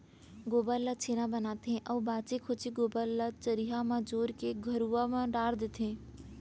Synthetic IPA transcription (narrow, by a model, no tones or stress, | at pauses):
ɡoːbəllːat͡ʃʰeːnãbənaːt̪ʰẽʔəːbaːt͡ʃekʰot͡ʃiɡoːbəlːat͡ʃəɾiɦamãd͡ʒoːɾkeɡʱəɾuamãɖaːɾd̪et̪ʰẽː